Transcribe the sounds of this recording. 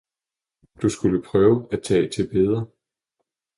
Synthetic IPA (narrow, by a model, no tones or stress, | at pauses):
d̥usɡ̥uləpʰʁœːʊəæ̥t͡sʰɛ̰ːt͡sʰe̝lb̥e̝ð̞ˠʁɐ